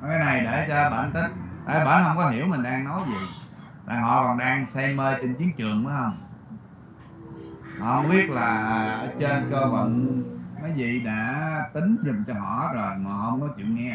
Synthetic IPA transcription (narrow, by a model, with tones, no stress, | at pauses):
kaː˨˦na˨˩jɗe˧˩t͡ɕɔ˧˦ɓa̰ː˧˨˩nt̪ï˦˥k̚t̪a̰ː˧˨˩jɓa̰ː˧˦nhə˧wŋ͡mkɔ˨˦ɦi˧˩əwmï˨˩ŋ̟ɗaː˧ŋnɔ˨˦jzi˨˩ | t̪a̰ː˨˩ɦɔ̰˧˨kɔ˨˩nɗaː˧ŋsɛ˧jməː˧jt͡ɕe˧nki˨˦əŋt͡ɕɨ˨˩əŋɓa˨˦hə˧wŋ͡m | hɔ̰˧˨hə˧wŋ͡mɓi˦˥ət̚laː˨˩˨ʔːt͡ɕe˧nkəː˧və̰˨nmaː˨˦jzḭ˧˨ɗa̰ː˧˥t̪ï˨˦ŋzi˨˩mt͡ɕɔ˧ɦɔ̰˧˨˦zo˨˩jmaː˨˩ɦə˧wŋ͡mkɔ˨˦t͡ɕwḭ˧˨ənŋɛ˧